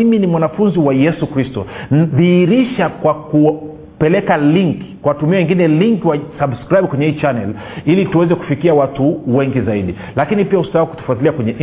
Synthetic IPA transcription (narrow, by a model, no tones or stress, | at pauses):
iminimwanafunziwajɛsukɾistɔ̰n̩ðiiɾiʃakwaku | pɛlɛkaliŋki̥kwawtumiawɛŋɡinɛliŋkwasabskɾajb̚kwɛɲɛiːt͡ʃanɛ̰l | ilituwɛzɛku̥fikiawatuwɛŋɡizaiɗi | lakinipiahustaawaku̥tu̥fatiliakwɛɲɛʔ